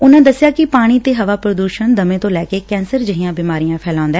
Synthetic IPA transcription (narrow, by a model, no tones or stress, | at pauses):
ʊnãːd̪əsːɪjaːkɪpaːɽ̃iːt̪eːɦəʋaːpɾəd̪uːʃənd̪əmẽːt̪õːlɛːkeːkɛ̃ːnsəɾd͡ʒəɦijãːbiːmaːɾijãːpʰɛːlãːʊ̃nd̪aɛː